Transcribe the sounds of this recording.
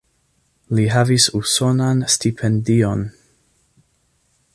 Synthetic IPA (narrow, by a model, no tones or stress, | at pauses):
liɦavisuso̞nanstipʰendion